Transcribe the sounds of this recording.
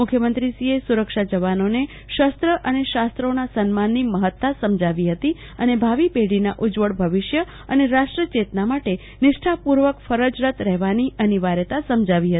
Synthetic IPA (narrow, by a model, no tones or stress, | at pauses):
mʊkʰjəmənt̪ɾisiesuɾəkʃad͡ʒəʋanone | ʃəst̪ɾəʔəneʃast̪ɾonasənmanːiməɦət̪ːasəmd͡ʒʱaʋiɦət̪i | ənebʱaʋipeɽinaʔud͡ʒʋəɽbʱəʋɪʃjə | əneɾaʂʈɾət͡ʃet̪namaʈe | nɪʃʈʰapuɾʋəkfəɾəd͡ʒɾət̪ɾɛɦʋaniəniʋaɾjət̪asəmd͡ʒʱaʋiɦət̪i